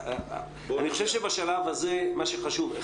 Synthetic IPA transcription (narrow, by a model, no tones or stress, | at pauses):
aniχoʃevʃebaʃalavhazemaʃeχaʃuve